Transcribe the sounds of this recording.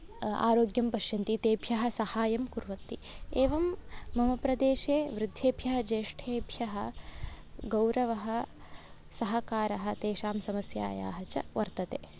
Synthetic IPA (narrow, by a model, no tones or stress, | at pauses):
a̰ːɾoːɡjɐmpɐʃjɐnt̪it̪eːbʱjɐɦɐ̆sɐhaːjɐmkuɾʋɐnt̪ieːʋɐmːɐmɐpɾɐd̪eːʃeːʋɾɪd̪ʱːeːbʱjɐɦɐd͡ʒeːʂʈʰeːbʱjɐɦɐ̆ | ɡɐwɾɐʋɐɦɐ̆ | sɐɦɐkaːɾɐɦɐ̆t̪eːʃaːmsɐmɐsja̰ːja̰ːɦɐt͡ʃɐ̰ʋɐɾt̪ɐt̪eː